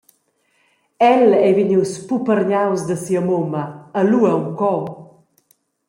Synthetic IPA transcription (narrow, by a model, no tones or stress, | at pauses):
ɛlɛviɲiwspupəɾɲawzd̪əsiɐmomɐːluɐwkɔ